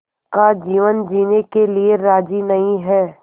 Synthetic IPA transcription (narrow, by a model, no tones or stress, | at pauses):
kad͡ʒiːʋənd͡ʒiːnekelieɾaːd͡ʒinɐɦĩɦɛː